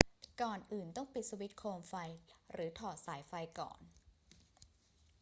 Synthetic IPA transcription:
kɔː˨˩nʔɯː˨˩nt̪ɔ˥˩ŋpi˨˩t̪̚su˧wi˦˥t̪̚kʰoː˧mfa˧jɾɯː˩˦t̪ʰɔː˨˩t̪̚saː˩˦jfa˧jkɔ̰ː˨˩n

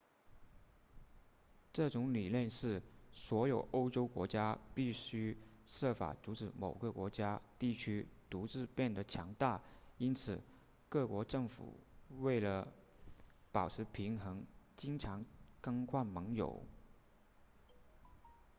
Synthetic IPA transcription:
ʈ͡ʂɤ˥˩ʈ͡ʂʊ˧˥ŋli˨˩ljɛ˥˧nʂɻ̩˥˩swɔ˧˥jo˨˩ʊʔo˥ʊʈ͡ʂo˥ʊkwɔ̰˧˥t͡ɕja˥pi˥˩ɕy˥ʂɤ˥˩fa̰˨˩t͡su˧˥ʈ͡ʂɻ̩˧˥mo˨˩ʊɡə˧kwɔ˧˥t͡ɕja˥t̪i˥˩t͡ɕʰy˥t̪u˧˥ʈ͡ʂɻ̩˥˧pjɛ˥˩nd̪ə˩t͡ɕʰjɑ˧˥ŋt̪a˥˩i˥nt͡sʰɹ̩˨˩ | kɤ˥˩kwɔ˧˥ʈ͡ʂɤ˥˩ŋfṵ˨˩we˥˩ɪlə˩ | pɑ˨˩ʊʈ͡ʂ̩ʰ˧˥pʰi˧˥ŋxɤ˧˥ŋt͡ɕi˥ŋʈ͡ʂʰɑ˧˥ŋkə˥ŋkʰwa˥˩nmɤ˧˥ŋjo̰˨˩˦ʊ

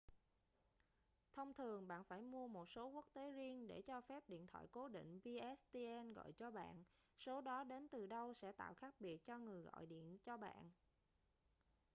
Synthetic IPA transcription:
t̪ʰə˧wŋ͡mt̪ʰɨ˨˩əŋɓa̰ː˧˨nfaː˧˩jmu˧əmo˨˩t̚so˨˦ku˦˥ək̚t̪e˨˦zi˧ənɗe˧˩t͡ɕɔ˧fɛ˦˥p̚ɗḭ˧˨ənt̪ʰwa̰ː˧˨jko˨˦ɗḭ̈˧˨ŋ̟vi˧ʔɛ˦˥st̪i˧ʔɛ˧nɣɔ̰˧˨jt͡ɕɔ˧ɓa̰ː˧˨n | so˨˦ɗɔ˨˦ɗe˨˦nt̪ɨ˨˩ɗə˧wsɛ̰˧˥t̪a̰ː˧˨wxaː˦˥k̚ɓi˨˩ət̚t͡ɕɔ˧ŋɨ˨˩əjɣɔ̰˧˨jɗḭ˧˨ənt͡ɕɔ˧ɓa̰ː˧˨nʔ

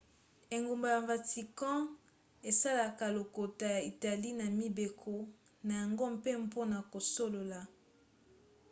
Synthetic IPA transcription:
e˨ŋɡo˨mba˨ja˨va˨ti˨kɑ̃˦ | e˨sa˦la˨ka˨lo˨ko˨ta˨ja˨i˨ta˨li˦na˨mi˨be˨kʰo˦ | na˨ja˨ŋɡo˦mpe˦m˦po˦na˨ko˨so˦lo˨la˨

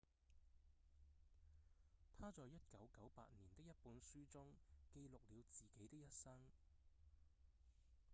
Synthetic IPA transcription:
t̪ʰaː˥t͡sɔː˨˧jɐ˥t̚kɐ˨˥wkɐ˨˥wpa̰ː˧t̚niː˨˩nt̪ɪ˥k̚jɐ˥t̚puː˨˥nsyː˥t͡sʊ˥ŋke˧jlʊ˨k̚liː˨˧wt͡siː˨˩ke˨˥jt̪ɪ˥k̚jɐ˥t̚sɐ˥ŋ

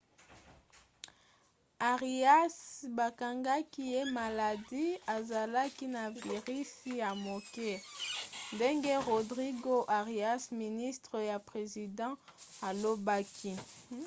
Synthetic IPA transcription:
a˨ʁi˨a˦sba˨ka˨ŋɡa˦ki˦je˦ma˨la˨di˦a˨za˨la˦ki˦na˨vi˨ʁi˦si˦ja˨mo˨kɛ˦ | nde˦ŋɡe˦ʁo˨dʁi˦ɡo˦ʔa˨ʁi˨a˦smi˨ni˦stʁə˨ja˨pʁe˨zi˨dɑ̃˦a˨lo˦ba˦kʰi˦

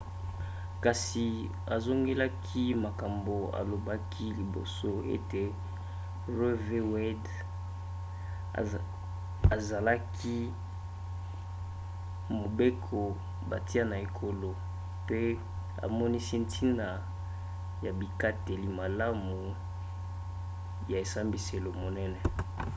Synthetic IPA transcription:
ka˨si˨ | a˨zo˦ŋɡe˦la˦kʰi˦ma˨ka˨mbo˨a̰˨lo˨ba˦kʰi˦li˨bo̰˨so˦ḛ˦te˨ | ʁe˦ve˦wɛ˦d | a˨za˨la˦kʰi˦ | mo˨be˦kʰo˨ | ba˨ti˦a˦na˨e˨kʰo˨lo˨ | pe˦ | a̰˨mɔ˦ni˦si˦ntʰi˦na˨ | ja˨bi˨ka˦te˨li˨ma˨la˦mu˨ | ja˨e˨sa˦mbi˨se˨lo˨mo˨nɛ˦nɛ˨

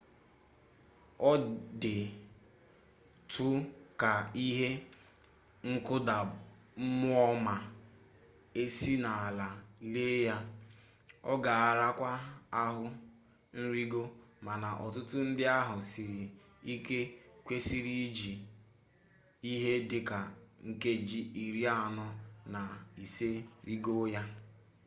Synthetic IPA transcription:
ɔ˦dɪ˨ | tʰʊ˦ | ka˨i˦ɦe˦ | ŋ̩˦kʊ˦da˨ | m̩˦mʊ˦ɔ˦ma˨ | e˦si˦na˨a˨la˨ | le˦ja˦ | ɔ̰˦ɡa˨a˨ɾa˦kʷa˦a˦ɦʊ˦ | n̩˦ɾi˦ɡo˦ | ma˨na˨ʔɔ˨tʊ˦tʊ˦n̩˦dɪ˦a˦ɦʊ˨si˨ɾi˨ | i˦ke˦ | kʷe˦si˦ɾi˦i˦d͡ʒi˨ | i˦ɦe˦dɪ˨ka˨ | ŋ̩˨ke˦d͡ʒi˦i˨ɾi˦a˦˨nɔ˦na˨i˨se˦ɾi˦ɡo˦ja˦

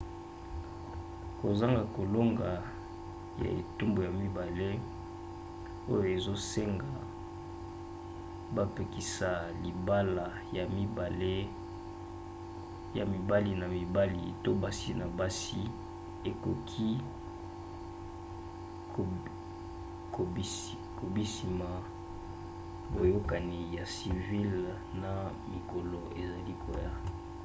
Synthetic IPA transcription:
ko˨za˦ŋɡa˨ko˨lo˦ŋɡa˨ | ja̰˨ḛ˨tu˦mbo˨ja˨mi˦ba˨le˦ | o˦jo˨e˨zo˦se˦ŋɡa˨ | ba˦pe˨ki˨sa˨li˨ba˦la˨ | ja˨mi˦ba˨le˦ | ja̰˨mi˨ba˦li˨na˨mi˨ba˦li˨to˦ba˦si˦na˨ba˦si˦ | e˨ko˨kʰi˦ | o˨˦ | ko˨bi˦si˨ma˨ | bo˨jo˦ka˨ni˨ja˨si˨vi˦l | na˨mi˨ko˨lo˨ʔe˨za˨li˦kʰo̰˨ja˦

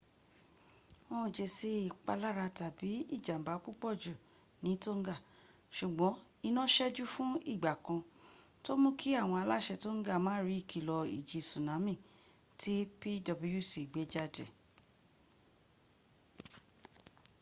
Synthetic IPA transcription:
mɔ̃˦˨d͡ʒe˨se˧˦i˨k͡pa˧la˦ɾa˧ta˨bi˨˦ḭ˦˨d͡ʒa˨m̩˨ba˨˦k͡pu˦k͡pɔ˦˨d͡ʒu˨ | nĩ˨˦to˦ŋ̩˦ɡa˦˨ | ʃu˨ɡ͡bɔ̃˨˦ | i˧nã˦ʃɛ˦d͡ʒu˦fũ˦i˦˨ɡ͡ba˨kã˧ | to˦mũ˦ki˦a˦˨w̃ɔ̃˧a˧la˦˨ʃɛ˧to˦ŋ̩˦ɡa˦˨mãː˨˦ɾi˨˦i˦˨kʰi˨lɔ˧ḭ˨d͡ʒi˧sũ˨nã˨˦mĩ˦˨ | tʰi˦pi˦dɔ˧bu˧˦ju˦˨si˨ɡ͡be˨˦d͡ʒa˦dɛ̰˨

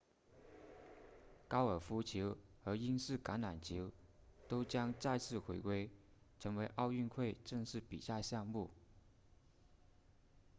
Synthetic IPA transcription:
kɑ˥ʊə˞˨˩fu˥t͡ɕʰi˧˥ʊxɤ˧˥i˥nsɹ̩˥˩ka˧˥na˨˩nt͡ɕʰi˧˥ʊ | t̪o˥ʊt͡ɕjɑ˥ŋt͡sa˥˧ɪt͡sʰɹ̩˥˩xwe˧˥ɪkwe˥ɪ | ʈ͡ʂʰɤ˧˥ŋwe˧˥ɪʔɑ˥˧ʊy˥˧nkʰwe˥˧ɪʈ͡ʂɤ˥˧ŋʂɻ̩˥˩pi˨˩sa˥˧ɕjɑ˥˧ŋmu˥˩

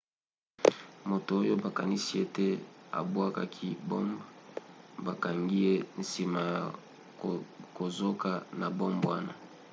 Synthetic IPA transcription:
mo˨to˨o˦jo˦ba˨ka˨ni˦si˦e˦te˦a̰˨bwa˦ka˦kʰi˦bo̰˦mb | ba˨ka˨ŋɡi˦je˦n̩˨si˨ma˨ja˨ | ko˨zo˦ka˨na˨bo˦mbwa˦na˨

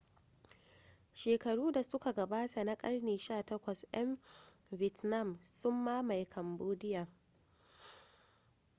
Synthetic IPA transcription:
ʃeː˨kɐ˨ɽuː˦da˨sʊ˦ka˨ɡɐ˨baː˦tʰa˨na˦kʼɐ˦ɽneː˨ʃaː˦˨tɐ˦kʷɐ˨sʔɐ˦m | vɪ˨tna˦˨msʊ˦mːaː˦ma˨jkʰɐ˨mboː˦dɪ˦jaː˨

